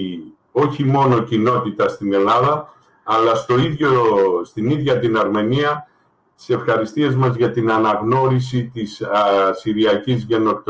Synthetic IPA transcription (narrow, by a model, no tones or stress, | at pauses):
o̞çimo̞no̞cino̞t̪it̪ɐst̪ine̞lɐðɐː | lɐst̪o̞iðʝost̪iniðʝɐt̪inɐɾme̞niɐ | t̪i̥se̞fxɐɾist̪ie̞zmɐzʝɐt̪inɐnɐɣno̞ɾisit̪issiɾiɐcizʝe̞no̞kt̪